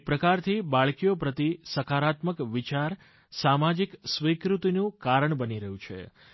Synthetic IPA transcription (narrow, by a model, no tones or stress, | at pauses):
pɾəkaɾt̪ʰibaɭkijopɾət̪isəkʰaɾat̪məkʋit͡ʃaɾ | samad͡ʒiksʋikɾut̪inũkaɾəɳbəniɾəɦjũt͡ʃʰḛ